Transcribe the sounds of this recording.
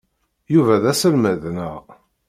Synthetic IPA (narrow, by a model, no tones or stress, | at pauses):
juvæðæsəlməðnəʁ